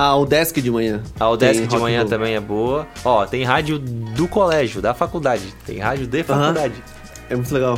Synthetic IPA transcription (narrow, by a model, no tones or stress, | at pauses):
aʊd̪ɛskɪd͡ʒɪmɐ̃ɲɐ̃aʊd̪ɛskɪd͡ʒamɐ̃ɲɲɐ̃t̪ɐ̃mbẽj̃ɛboɐɔt̪ẽj̃ɦad͡ʒjʊd̪ʊkolɛʒjʊd̪ɐfakud̪ad͡ʒɪt̪ḛ̃j̃ɦa̰d͡ʒjʊd̪efakud̪ad͡ʒɪ | ɛmũj̃t̪ʊleɡaw